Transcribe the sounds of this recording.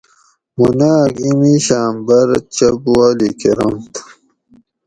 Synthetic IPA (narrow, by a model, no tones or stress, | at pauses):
munaːkimiɕaːmbɐɾt͡ɕɐbwaːlikeɾomt̪ʰ